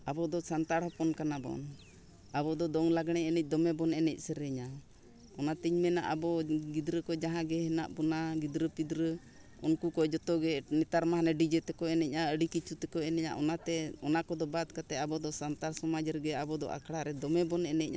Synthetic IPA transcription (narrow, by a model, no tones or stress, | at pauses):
abɔd̪ɔsant̪aɽhɔpɔnkanabɔ̰n | abɔd̪ɔd̪ɔŋlaɡɽ̃ɛɛnɛc̚ˀd̪ɔmɛbɔnɛnɛc̚ˀsɛɾɛɲa | ɔnat̪iɲmɛna̰ʔabɔɡid̪ɾəkɔd͡ʒaɦãɡɛɦɛna̰ʔbɔnaɡid̪ɾəpid̪ɾə | ɔnkukɔd͡ʒɔt̪ɔɡɛnɛt̪aɾmaɦanɛɖid͡ʒɛt̪ɛkɔɛnɛc̚ʔaəɖikit͡ʃut̪ɛkɔɛnɛɲa̰ʔɔnat̪ɛɔnakɔd̪ɔbad̪̚kat̪ɛabɔd̪ɔsant̪aɾsɔmad͡ʒɾɡɛabɔd̪ɔ̰ʔa̰kɽaɾɛd̪ɔmɛbɔnɛnɛc̚ʔa̰